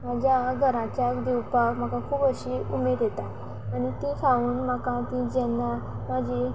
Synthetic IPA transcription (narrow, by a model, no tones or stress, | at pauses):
mad͡ʑjaɡʱəɾãt͡ɕjakd̪iwpakm̤akakʰuːpəɕiumeɾjet̪a | aɽ̃it̪ĩkʰauːnmakãt̪ĩd͡ʑɛnːa | mad͡ʑi